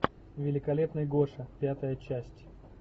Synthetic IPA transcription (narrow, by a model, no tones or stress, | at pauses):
vʲɪlʲɪkɐlʲe̞pnɨjɡo̞ʂəpʲat̪əjət͡ɕæsʲtʲ